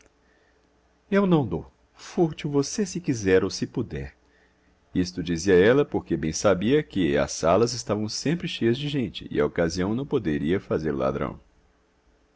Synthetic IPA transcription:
ewnɐ̃w̃d̪ow | fuɾt͡ʃiwvosesɪkizɛɾowsɪpud̪ɛ̰ɾ | ist̪ʊd͡ʒiziɐɛlɐpoɾkebẽj̃sabiɐkɪɐ̰salɐzɪst̪avɐ̃w̃sẽmpɾɪʃejɐzd͡ʒɪʒẽnt͡ʃɪ̰ɪ̰a̰okaziɐ̃w̃nɐ̃w̃pod̪eɾiɐfazeɾʊ̰la̰d̪ɾɐ̰̃w̃

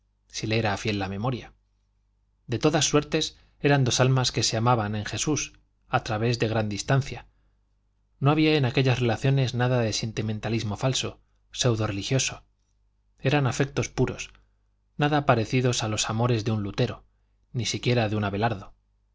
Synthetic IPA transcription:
sileeɾafje̞lːamẽ̞mo̞ɾja | d̪e̞t̪o̞ðasːwe̞ɾt̪e̞s | e̞ɾand̪o̞salmaske̞se̞amaβanẽ̞ŋxe̞sus | at̪ɾaβe̞zðe̞ɣ̞ɾand̪ist̪an̟θja | no̞aβiaenake̞ʎazre̞laθjo̞ne̞znaðaðe̞se̞nt̪iment̪alizmo̞falso̞ | se̞wðo̞re̞lixjo̞so̞ | e̞ɾanafek̚t̪o̞spuɾo̞̰s | naðapaɾe̞θiðo̞salo̞samo̞ɾe̞zðeunlut̪e̞ɾo̞ | nisikje̞ɾaðeunaβe̞laɾðo

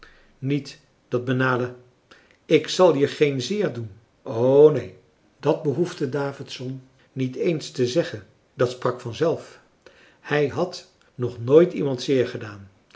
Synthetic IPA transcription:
nit | d̥ɑd̚bənaːlə | ɪksɑlˠɦiχejnzɪːɹdun | ʔoːnej | dɑd̚bəɦuftədaːvɪtsɔnː | itejnstəzɛχən | dɑtsprɑkfɑnzɛlˠf | hɛjɦɑt | nɔχnoːjtimɑntsɪːɹχədaːn

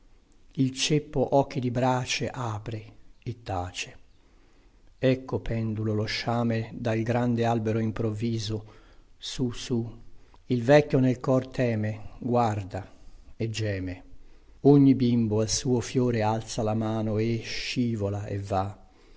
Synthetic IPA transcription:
ilt͡ʃepːoʔɔk̟ːid̪ibɾaːt͡ʃeʔaːpɾeːt̪ːaːt͡ʃe̥ | ɛkʰːopʰɛnd̪uloloʃːaːmed̪alɡɾand̪ealbeɾoimpɾovːiːzosusu | ilvɛkːonelkɔrt̪ʰɛːmeɡward̪aed͡ʒːɛːme | oɲːibimboalsuːofjoːɾealt̪salamaːnoeʃiːvolaḛvːa

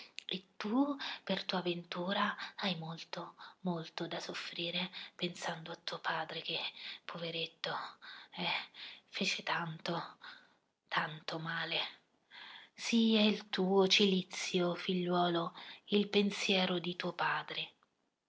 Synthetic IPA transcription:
et̪ːupert̪uːavent̪uːɾaajmolt̪omolt̪od̪asofɾiːɾepensand̪oat̪ːuːopʰaːd̪ɾek̟epʰːoveɾet̪ːoɛfeːt͡ʃet̪ant̪o | t̪ʰant̪omaːle | siɛilt̪uːot͡ʃilit̪sːjofiʎːwɔːloilpensjɛːɾod̪it̪uːopaːd̪ɾe

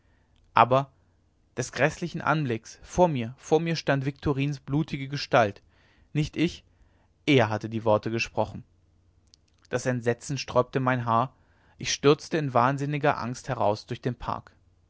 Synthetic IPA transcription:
ʔa̰ːbɐ | d̥ɛsɡ̥ʁɛslɪçn̩ʔa̰nblɪksfoːɐmiːɐfoːɐmiːɐʃtantv̥ɪk̚tʰoʁiːnsb̥luːtʰɪɡəɡəʃtalt | nɪçtʔɪç | ʔeːɐɦatədiːvɔɐtəɡəʃpʁ̥ɔχn̩ | d̥asɛntz̥ɛt͡sn̩ʃtʁ̥ɔʏp̚təmaɪnɦaːɐ | ʔɪçʃtʏɐt͡stəɪnvaːnzɪnɪɡɐʔa̰ŋsthɛʁa̰ʊsd̥ʊɐçd̥eːnpʰa̰ɐk

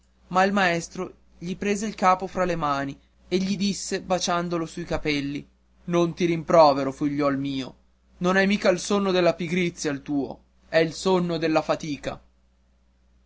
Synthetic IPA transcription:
mailmaɛst̪ɾo | ʎipɾeːzeilkaːpofɾalemaːni | eʎːid̪isːebat͡ʃand̪olosuikapɛlːi | nont̪iɾimpɾɔːveɾofiʎːɔlmiːo̰ | nonɛjmiːkailsonːod̪elːapiɡɾit̪sːjalt̪uːo̰ | ɛilsonːod̪elːafat̪iːka̰

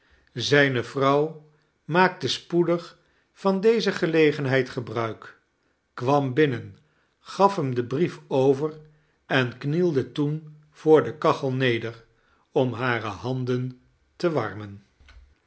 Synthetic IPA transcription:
zɛjnəvrɑw | maːk̚təspudəχ | fɑndejzəχəlejχənɦɛjtχəbrœɥk | kʋɑmbɪnən | χɑfɦəmdəbrifowvər | ɛnknilˠdətun | v̥ʊːɹdəkɑχəlˠnejdər | ɔmɦaːrəhɑndən | təʋɑ̰ɹmən

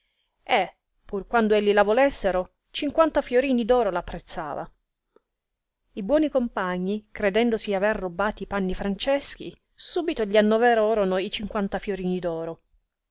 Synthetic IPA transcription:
e | pːurkwand̪oeʎːilavolɛsːeɾo | t͡ʃiŋkwant̪afjoɾiːnid̪ɔːɾolapːɾet̪sːa̰ːva̰ | ibwɔːnikompaɲːikɾed̪ɛnd̪osiaverːobːaːt̪ipanːifɾant͡ʃɛsk̟ḭ | suːbit̪oʎianːovɛɾoɾonoit͡ʃiŋkwant̪afjoɾiːnid̪ɔːɾo

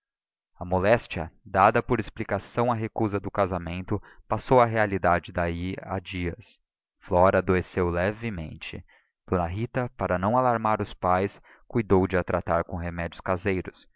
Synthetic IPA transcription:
ɐmolɛst͡ʃiɐd̪ad̪ɐpoɾesplikasɐ̃w̃ɐɦekuzɐd̪ʊkazamẽnt̪ʊpasowɐɦealid̪ad͡ʒɪd̪aia̰d͡ʒiɐs | flɔɾɐːd̪oesewlɛvɪmḛ̃nt͡ʃɪ̰ | b̥unɐɦit̪ɐpaɾɐnɐ̃w̃alaɾmaɾʊspajs | kujd̪owd͡ʒɪat̪ɾʔat̪aɾkõɦemɛd͡ʒʊskazejɾʊs

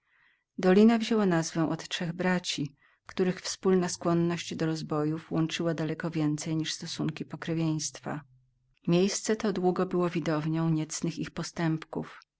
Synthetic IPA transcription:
d̪ɔlʲinavʑɛwanazvɛw̃ʔɔt̪ʂɛɣbɾat͡ɕi | kt̪uɾɘxfspulnaskwɔnːɔɕt͡ɕd̪ɔɾɔzbɔjufwɔnt͡ʂɘwad̪alɛkɔvʲjɛnt̪sɛjɲiʂst̪ɔsuŋkʲipɔkɾɛvʲjej̃st̪fa̰ | mʲjejst̪sɛt̪ɔd̪wuɡɔbɘwɔvʲid̪ɔvɲɔ̃w̃ɲɛt̪snɘxixpɔst̪ɛmpkṵf

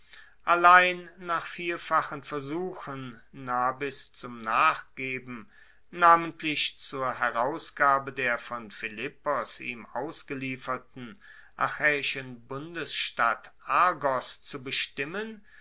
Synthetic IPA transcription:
ʔalaɪnːaːχfiːɐfaχənfɛɐzuːxənːaːbɪst͡sʊmnaːχɡ̥eːbm̩ | naːməntʰlɪçt͡suːɐɦɛʁaʊsɡ̥aːbədeːɐfɔnfɪlɪpɔsḭːmʔaʊsɡ̥əliːfɐtn̩ | ʔa̰xɛːɪʃənbʊndəsʃtatʔaɐɡɔst͡subəʃtɪmən

